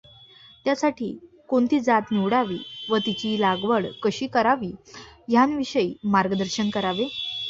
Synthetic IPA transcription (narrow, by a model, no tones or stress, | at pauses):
t̪jasaʈʰḭː | koɳt̪iːd͡zat̪niʋɽaʋḭːʋət̪it͡ɕiːlaɡʋəɭkəɕiːkəɾaʋiːɦjanʋiɕəiːmaɾɡəd̪əɾɕənkəɾaʋe